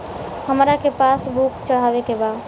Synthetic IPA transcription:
həmɾakepaːsbukt͡ʃəɽ̤aːʋekebaː

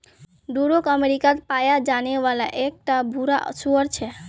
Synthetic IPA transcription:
ɖuɾokəmeɾikat̪pajad͡ʒaneʋalaʔek̚ʈabʱuɾa̰ʔsuəɾt͡ʃʰɛ

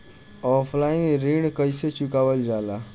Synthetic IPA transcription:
ɔpʰlainɾiɽkəjset͡ʃukaʋəld͡zala

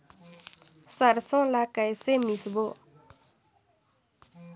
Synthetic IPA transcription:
sarsoŋlakajsemisbo

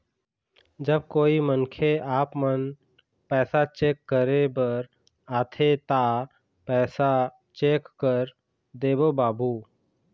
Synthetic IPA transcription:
d͡ʒəb̚koːimənkʰeʔaːpmən | pɛːsat͡ʃeːkːəɾebəɾ | aːt̪ʰet̪a | pɛːsa | t͡ʃeːkːəɾ | d̪eːbobaːbuː

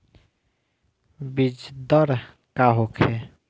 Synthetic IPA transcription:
bid͡ʒd̪əɾ | kaɦokʰe

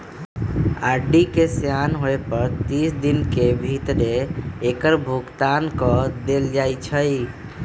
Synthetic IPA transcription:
aɾɖikesjanɦoepəɾt̪isd̪inkebʱit̪ɾeːkəɾbʱuɡt̪ankɔd̪eld͡ʒajt͡ʃʰəi

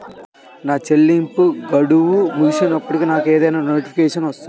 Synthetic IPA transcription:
naːt͡ʃelːimpuɡɐɽuʋumuʃunɐpːuɽikiːnaːkeːd̪ɐjnaːnoːʈipʰikɛːʂɐnʋɐst̪u

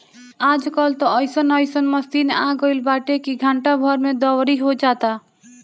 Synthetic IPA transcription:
aːd͡ʒkɔlt̪ɔɔɪsənɔɪsənməst̪inaɡoɪlbaːʈekiɡʱãːɳʈabʱɔɾmẽd̪ɔwɾiɦod͡ʒaːt̪a

